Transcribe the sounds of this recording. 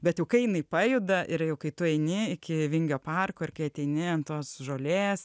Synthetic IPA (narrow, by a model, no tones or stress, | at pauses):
bʲɛt̪jɛʊkɐɪjɪnɐɪpɑːjʊd̪ɐʔɪɾjɛʊkɐɪt̪ʊɛɪnʲɪɪkʲɪʋʲɪŋʲɡʲoːpɑrkoːɪrkɐɪɐt̪ʲɛɪnʲɪɐnt̪oːsʒoːlʲeːs